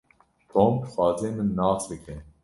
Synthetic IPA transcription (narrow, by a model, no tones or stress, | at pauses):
t̪ʰõːmbɨxʷɑːzeːmɨnːɑːsbɨkʰɛ